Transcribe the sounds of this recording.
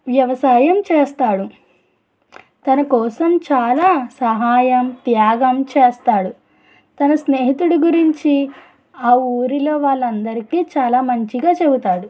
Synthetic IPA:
ʋjɐʋɐsaːjɐmt͡ʃeːst̪aːɽu | t̪ɐnɐkɔːsɐmt͡ʃaːlaːsɐɦaːjɐmt̪jaːɡɐmt͡ʃeːst̪aːɽu | t̪ɐnɐsneːɦit̪uɽuɡuɾiɲt͡ʃi | aːuːɾilo̞ːʋaːɭːɐnd̪ɐɾikiːt͡ʃaːlaːmɐɲt͡ʃiɡaːt͡ʃe̞but̪aːɽu

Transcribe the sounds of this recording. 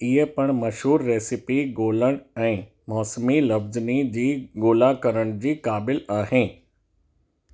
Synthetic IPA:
iɦepɐɽ̃mɐʃɦuːɾːeːsɪpiɡoːləɽ̃ɛ̃ː | mɔːsmilɐfznid͡ʑiːɡoːlakəɾəɽ̃d͡ʑiːkaːbɪlaːɦẽː

